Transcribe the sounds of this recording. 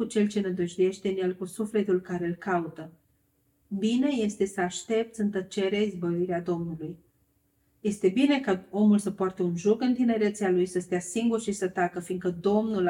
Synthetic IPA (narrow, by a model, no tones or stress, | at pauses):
ut͡ʃe̞lt͡ʃe̞nəd̪uʒuje̞ʃt̪e̞ɨnje̞lkusufle̞t̪ulkaɾe̞ɨlkaut̪ə | bine̞je̞st̪e̞səaʃt̪e̞p̚t̪sʲɨnt̪ət͡ʃe̞ɾeaizbəviɾead̪o̞mnuluj | je̞st̪e̞bine̞kao̞mulsəpoart̪e̞unʒokɨnt̪ine̞ɾe̞t̪sealujsəst̪ejasiŋɡurʃisət̪akəfiŋɡkəd̪o̞mnul